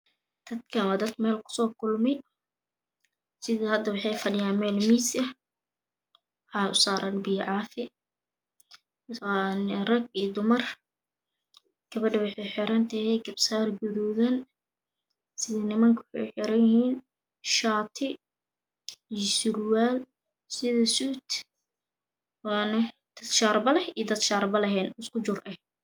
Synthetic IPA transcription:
d̪̥ɐd̪kʰɐwad̪ɐd̪mɛːlkʰʊ̥sɔːkʊlmɛj | sɪðɐhɐd̪ɐwɑħɑjfɐlɪjaːnmɛːlmiːsɐ | ħaʊsɑːɾʔɐnbiːʕɑːfɪ | nrɐɡ̚iːd̪ʊmɐr | ɡ̥ɐβɐɖɐwɑħɑjħɪɾɐnt̪ʰɐhɛɡɐbsaːrɡʊðɔːðɐn | sɪðɐnɪmɐŋkʰwʊħɑ̰jħɪɾɐjɪhiːn | ʃaːt̪ʰɪ | iɔsʊrwaːl | sɪðɐsuːt̪ | wɑːnɐd̪̥ɐd̪ʃaːrbɐlɛhijd̪ɐd̪ʃaːrbɐlɐɦɛːnɪskʰʊt͡ʃʊrʔɛh

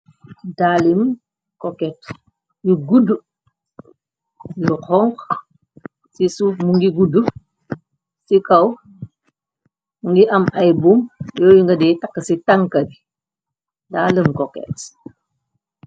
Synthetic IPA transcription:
daːlim | kɔkɛt | juɡudːu | juqʰɔŋk | sisuːfmuŋɡiɡudu | sikɐw | muŋɡiʔɐmɐjbumjɔːjuŋɡɐdɛːtɐkːəsitɐŋkɐbi | daːlimkɔkɛ̰t

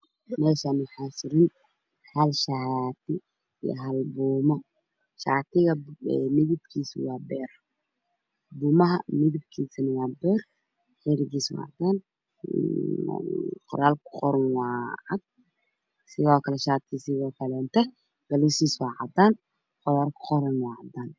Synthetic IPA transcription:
mɛːʃaːnmʊħaːsɪɾɪn | hɐlʃat̪ʰɪ̰ | j̰ɦɐlbuːmɔ | ʃa̰ːt̪ʰɪɣɐɛmɪɣɪbkʰiːswɑːbɛːr | buːmɐɦɐ̰mɪðɪb̚kʰiːsɐnɪwɑːbɛːr | ħɛɾɪɣiːswɑ̰ʕad̪aːn | qɔ̰ɾaːlkʰʊ̥qɔɾɐnwɑːʕad̪̚ | sɪɣɔːkʰɐlɛʃaːt̪ʰisɪɣɔːkʰɐlɛnt̪ʰɛ | ɡ̥ɐlɔsiːswɑːʕɑ̰d̪aːn | qɔjaːlkʰʊ̥qɔɾɐnwɑːʕɑd̪aːn

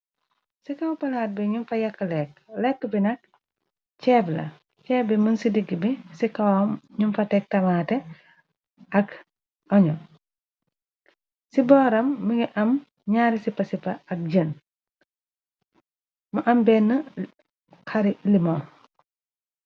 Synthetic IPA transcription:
sikɐwpɐlaːt̚bɛɲumfɐjɐkːəlɛk̚lɛkːəbinɐk̚ | t͡ʃɛːblɐ̰ | cɛːbɛmənsidiɡibisikɐwmɲumfɐtɛk̚tɐmaːtɛ | ʔɐk | ʔɔɲɔ | sibɔːɾɐmːiŋiʔɐm | ɲaːɾisipːɐsipːɐɐk̚ɟəːn | mɐʔɐmbɛːnːə | kɐɾilimɔ

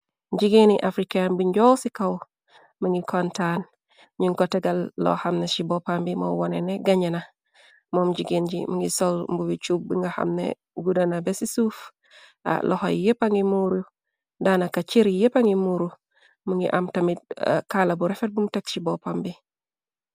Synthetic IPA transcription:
ɟiɡiniʔafɾikajanbuɲɟowsikaw | muŋɡikʰontan | ɲiŋkotɛɡalːɔ̰hamneʃibopambimowoneneɡaɲena | momd͡ʒiɡinɟḭmuŋɡisolmbuwit͡ʃub̚biŋɡaha̰mnḛ | ɡudanabesisuf | a̰lʔɔho̰jjepaŋimuɾu | danakat͡ʃiɾijepaŋimuɾu | muŋɡḭʔamtamit̚kalabuɾɛfet̚bumtekʃibopambi

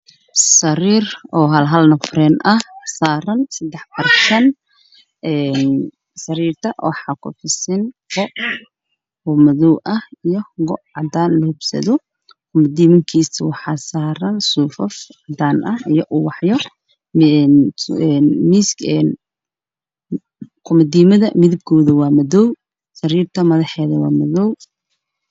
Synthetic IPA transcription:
sɐɾiːrɔːɦɐlɦɐlnɐfɾɛːnʔɐhsaːɾɐnsɐd̪ɛħpʰɐrsɐn | ʔɛːn | sɐɾiːrt̪ʰɐwɑħɑːkʰʊ̰fɪsɪnfɔʔ | hʊmɐðɔwʔɐhijɔɡɔʔʕɑd̪aːnlɐhʊbsɐ̰ðɔ | kʰʊmɐd̪iːmɐŋkʰiːsɐwɑħɑːsaːɾɐnsuːfɐfʕɑd̪aːnʔɐhijɔʔuːwɑħjɔ | ɛnmisɛn | kʰʊmɐd̪iːmɐðɐmɪðɪb̚kʰɔːðɐwɑːmɐðɔw | sɐɾiːrt̪ʰɐmɐðɑħɛːðɐwɑ̰ːmɐðɔw

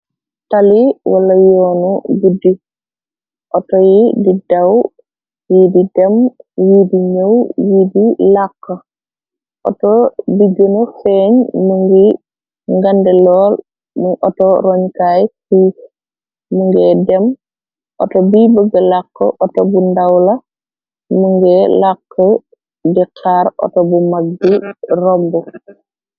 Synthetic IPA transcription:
taliwalɐjoːnubudi | ʔɔtɔjididaw | jididɛmjidiɲəwjidilakːə | ʔɔ̰tobiɡonofeɲmuŋɡi | ŋɡandɛlɔːl | muŋɔtɔɾɔɲkajki | muŋɡɛdɛm | ɔ̰tɔbibəɡɐlakːə̰ʔɔtɔbundawlɐ | muŋɡɛlakːə | dikʰaːɾɔ̰tɔbumaɡ̚birɔmbu

